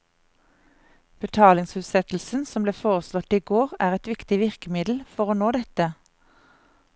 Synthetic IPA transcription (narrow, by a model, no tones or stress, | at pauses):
b̥ət̪ʰɑːlɪŋshʉːt̪sɛt̪l̩sn̩sɔmbleːfoːʁəslɔt̪iːɡoːʁæːʁɛt̪ʋɪkt̪ɪʋɪʁkəmɪd̪l̩fɔʁoːnoːd̪ɛt̪ə